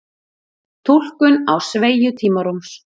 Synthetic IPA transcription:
t̪ʰul̥kʏnawsveːjʏt̪ʰiːmaɾums

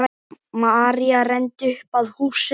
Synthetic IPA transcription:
maːɾiarɛnt̪ʏhpaðhuːs

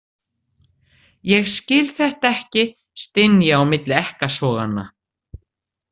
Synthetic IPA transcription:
jɛɣscɪlθɛht̪aɛhcɪ | st̪ɪnjaawmɪt̪lɪɛhkasɔːɣa̰nːa̰

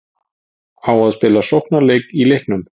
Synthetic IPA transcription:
awaðspɪːlasowhknalejkilɪhknʏm

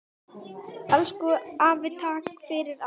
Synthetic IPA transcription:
ɛlskʏaːvɪt̪ʰakfɪɾɪɾa

